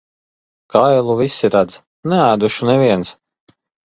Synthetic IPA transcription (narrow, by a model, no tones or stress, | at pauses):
kajlˠuvisʲiɾad̪z | nɛæːd̪uʃunɛvʲiɛns